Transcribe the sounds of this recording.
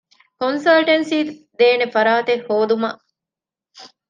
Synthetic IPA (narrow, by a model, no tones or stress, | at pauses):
konsɐlʈensiː | d̪eːnefɐɾaːt̪ehːoːd̪umɐʔ